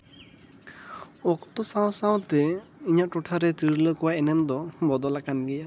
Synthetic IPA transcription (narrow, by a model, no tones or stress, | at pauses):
ɔkt̪ɔsaw̃saw̃t̪ɛiɲaʔʈɔʈʰaɾɛt̪iɾləkɔwaɛnɛmd̪ɔbɔd̪ɔlakanɡɛja